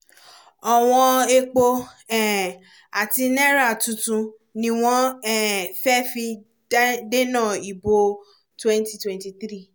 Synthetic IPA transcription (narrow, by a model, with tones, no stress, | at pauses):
ɔ˨w̃ɔ̃˧e˧k͡po˧ɛ˨ | a˨ti˧nɛ˦ɾa˦˨tũ˨˧tũ˧ | nĩ˧w̃ɔ̃˦ɛ˦˨fɛ˦fi˧˦ | de˦nã˦˨i˨bo˧ | twɛ̃˦n˦ti˦twɛ̃˦nti˧t̪ɾi˦˨